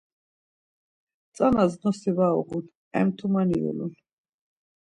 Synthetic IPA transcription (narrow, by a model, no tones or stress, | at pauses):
t̪sʼanaznɔsivaɔ̰ʁun | ɛ̰mt̪ʰumaniṵlun